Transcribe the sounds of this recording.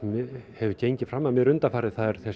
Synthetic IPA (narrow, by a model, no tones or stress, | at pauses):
mhɛvʏcejɲcɪfɾamːaðmjɛɾʏnt̪afaːɾɪðθaðɛɾ̥θɛ